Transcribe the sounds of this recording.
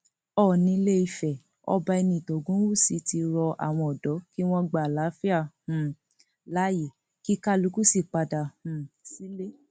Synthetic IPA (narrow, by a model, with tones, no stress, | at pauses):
ɔ˦˨nĩ˨˧˦le˦i˧fɛ˨ | ɔ̰˧ba˧i˧nĩ˧˨tɔ˨ɡũ˦wu˦˨si˨˦ti˧ɾɔ˧ʔa̰˨w̃ɔ̃˧ɔ˨dɔ˨˦ki˦w̃ɔ̃˦ɡ͡ba˨la˨˦fi˦a˦˨hũ˨ | la˨˦je˨ | ki˦ka˦lu˨˧˦ku˦si˦˨k͡pa˧da˨hũ˨si˨˦le˦